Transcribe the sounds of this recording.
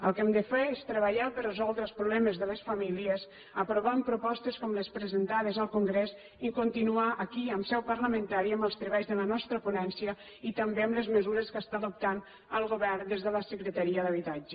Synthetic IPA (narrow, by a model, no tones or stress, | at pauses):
əlˠkɛmd̪əfeɾest̪ɾəβəʎapərəzɔlˠd̪ɾəlˠspɾuβlɛməzðələsfəmiliəz | əpɾoβampɾupɔst̪əskɔmləspɾəzənt̪aðəzəlˠkuŋɡɾez | ikunt̪inuaʔːkiəmsɛwpərləmə̃nt̪aɾiəməlˠst̪ɾəβajzðələnɔst̪ɾəpunɛnsiə | it̪əmbeəmləzməzuɾəskəst̪aðup̚t̪an | əlˠɣoβɛɾd̪ezðələsəkɾət̪əɾiəðəβ̞it̪ad͡ʒə